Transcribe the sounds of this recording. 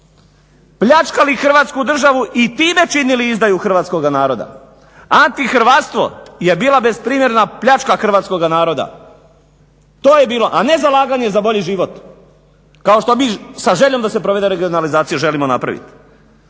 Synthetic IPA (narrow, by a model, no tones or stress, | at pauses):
pʎat͡ʃkalixr̩ʋaːt̪skud̪r̩ʒaʋuʔit̪iːme̞t͡ʃiniliizd̪ajuxr̩ʋaːt̪sko̞ɡanaːɾo̞d̪a̰ | ant̪ixr̩ʋat̪st̪ʋo̞̰jebiːlˠabe̞spɾiːmje̞ɾnapʎat͡ʃkaxr̩ʋat̪sko̞ɡanaːɾo̞d̪a̰ | t̪oːje̞biːlo̞ʔane̞zalˠaːɡaɲe̞zabo̞ʎiʒiːʋot̪ | kao̞ʃt̪o̞miːsaʒeʎo̞md̪ase̞pɾoʋe̞d̪eɾeɡio̞nalizaːt̪sijuʒe̞limo̞na̰pɾa̰ʋḭt̪